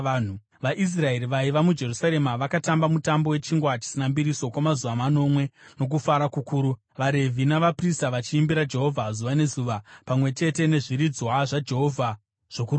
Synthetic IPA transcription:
n̤u | ʋaʔis̬rae̞ɾiʋaiʋamud͡ʒe̞rusaɾe̞maʋakatambamutambo̞we̞t͡ʃiŋɡwat͡ʃi̥sinambiɾiso̞kwamazuʋamano̞mwe̞no̞k̬ufaɾakukuːɾu | ʋaɾe̞vʱinaʋapristaʋat͡ʃiimbiɾad͡ʒe̞ɦo̞vʱazuʋane̞zuʋapamwe̞t͡ʃe̞te̞ne̞ʐiɾid͡zwaʐad͡ʒe̞ɦo̞vʱa | ʐ̥o̞kuru

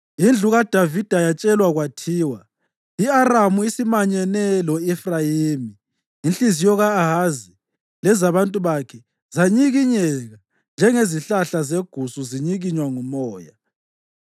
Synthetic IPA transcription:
ind͡ɮʱuɣad̥ʱavid̥ʱajat͡ʃʼɛlwaɣwatʰiːwa | iaramuisimaɲɛnɛlɔɛfrajiːmiː | nɬʼizijɔɣaːɦazi | lɛzaβantʼuβakʰɛ | zaɲiɣiɲɛɣa | nd͡ʒʱɛŋeziɬaɬazeɡ̥ʱusuziɲiɣiɲwaŋumɔːja

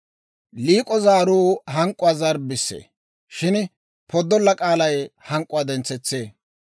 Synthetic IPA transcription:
liːkʼɔzaːɾuːɦɐŋkʼːʊwaːzɐɾbɪsːḛː | ʃɪn | pʰɔd̪ːɔlːɐkʼaːlɐjhɐŋkʼːʊwaːd̪ɛnt͡sːɛt͡sːe̞ː

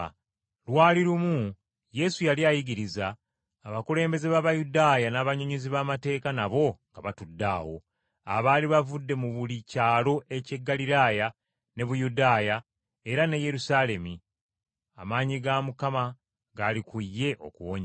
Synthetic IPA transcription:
lwaːliɾumu | je̞sujaliajiɡiɾizaː | βakule̞ːmbe̞ze̞βaβajudaːjanaːβaɲoɲiziβaːmate̞ːkanaβo̞ŋɡaβatudːa̰ːwo̞̰ | a̰βaːliβavudːe̞muβulicaːlo̞e̞ce̞ɡːaliɾaːja | ne̞βujudaːja | e̞ɾane̞je̞ɾusaːle̞mi | amaːɲiɡamukama | ɡaːlikujːe̞ʔo̞̰kuwoɲe

